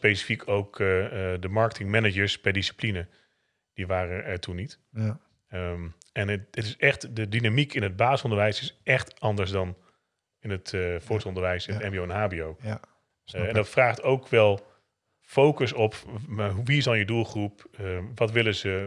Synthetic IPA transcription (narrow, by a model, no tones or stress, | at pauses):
spejsi̥fikʰowkdəmɑɹkətʰɪŋmɛnəd͡ʒəɹspɛɹdisi̥plinə | d̥iʋaːrəʔɛɹtʰunːit | ɛnətɪsɛχtdədinamikɪnəd̚baːsɔ̃ndəɹʋɛjsɪsʔɛχtɑndəɹs̬dɑn | ɪnətfʊːɹslˠɔndəɹʋɛjsɪnətɛnbiowɛnɦaːbiow | ɛndɑtfraːχtowkʋɛlˠ | fowkəsɔpaɦʋiɪsdɑnjədulˠχrupʋɑtʋɪləzə